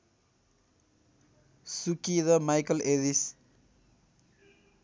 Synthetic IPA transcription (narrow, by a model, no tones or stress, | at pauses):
sukidʌmajkʌleɾis